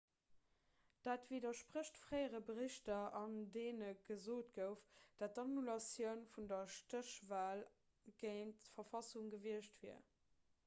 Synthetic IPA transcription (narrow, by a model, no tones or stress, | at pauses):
d̥aːtv̥idɐʃpʁəɕtfʁ̥əɪəʁəbəʁiɕtɐɑndeːnəɡ̥əzoːtɡ̥əʊfd̥at̚dɑnulɑsjəʊnfundɐʃtəʃvaːl | ɡ̥əɪntfɐfɑsuŋɡəviəɕtviɐ̰